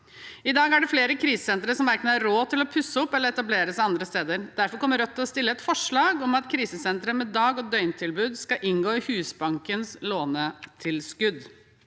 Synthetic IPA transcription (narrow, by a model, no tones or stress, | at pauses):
ɪd̪ɑːɡæɖɛfleːɾəkʰɾiːsə̥sɛnt̪ɾəʂɔmʋæɾknəɑɾoːt̪ʰɪlɔpʰʉsːəɔpːɛlːəɾɛt̪ɑbleːɾəsɑɑnd̪ɾəst̪eːd̪əɾd̪æɾfɔɾkʰɔmːəɾœt̪ʰːɪlɔst̪ɪlːəɛt̪fɔʂɭɑːɡɔmɑt̪kʰɾiːsəsɛnt̪ɾəmɛd̪ɑːɡɔd̪œʏnt̪ʰɪlbʉːd̪skɑʔɪnɡoːɪhʉːsbɑŋkənsloːnət̪ʰɪlskʉd̪